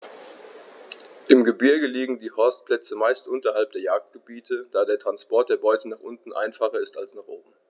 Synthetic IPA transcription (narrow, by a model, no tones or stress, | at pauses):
ʔɪmɡəbɪɐɡəliːɡŋ̩diːhɔɐst̚pl̥ɛt͡səmaɪstʔʊntɐhalp̚d̥eːɐjaːk̚t̚ɡ̥əbiːtʰəd̥aːdeːɐtʁ̥anspɔɐt̚d̥eːɐbɔʏtənaːχʔʊntn̩ʔa̰ɪnfaχɐɪstalsnaχʔoːbm̩